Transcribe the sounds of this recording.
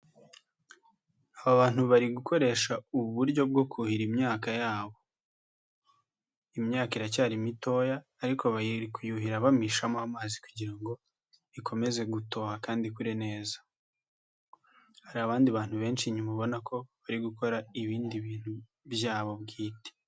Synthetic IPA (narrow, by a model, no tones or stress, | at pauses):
aβaβaːn̥huβaɾiɡukʰo̞ɾe̞ːʃauβuɾɟo̞b̚ɡo̞kʰuhiɾimɲaːkajaːβo | imɲaːkaiɾacaːɾimito̞jaːɾikʰo̞βaiɾikujuɦiɾaβamiʃamohamaːzikuɟiɾaŋɡo̞ | ikʰo̞me̞ze̞ɡuto̞ːhakaːndikuɾene̞ːzḁ | haɾiaβaːndiβaːn̥huβe̞ːnt͡ʃiɲumaβo̞nakʰo̞βaɾiɡuko̞ɾaiβiːndiβiːn̥hu | bjaːβo̞bɡiːte̥